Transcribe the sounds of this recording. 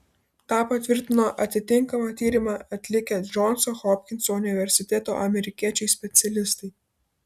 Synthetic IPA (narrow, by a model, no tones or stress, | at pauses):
t̪ɑːpɐt̪ʲʋʲɪɾʲt̪ʲɪnoːʔɐt̪ʲɪt̪ʲɪŋˑkɐmɑːt̪ʲiːɾʲɪmɑːɐt̪ʲlʲɪkʲɛd͡ʒɔnsɔxɔpʲkʲɪnsoʊnʲɪʋʲɛɾʲsʲɪt̪ʲɛt̪o̰ːʔɐmʲɛɾʲɪkʲiɛt͡ʃʲɛɪsʲpʲɛt̪sʲɛlʲɪst̪ɐɪ